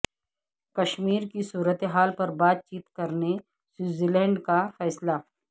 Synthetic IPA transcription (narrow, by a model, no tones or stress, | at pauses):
kɐʃmiːɾkisuːɾət̪eɦaːlpɐɾbaːt̪̚t͡ʃiːt̪kɐɾne | siːziːlɛ̃ːɳɖkafɛːsla